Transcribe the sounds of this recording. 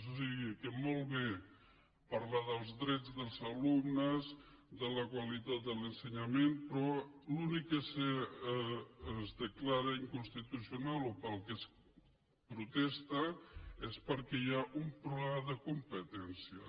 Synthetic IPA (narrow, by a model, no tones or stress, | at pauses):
sosiɣikəmolˠβe | paɾlaðəlˠzðɾɛd͡zðəlˠzalumnəz | d̪ələkwalit̪at̪̚d̪ələnsəɲamenpɾɔlunikːəsə | zd̪əklaɾəiŋkunst̪it̪usiunalopəlˠkəs | pɾut̪ɛst̪aespəɾkɛjaʔumpɾulɛaðəkumpət̪ɛnsiə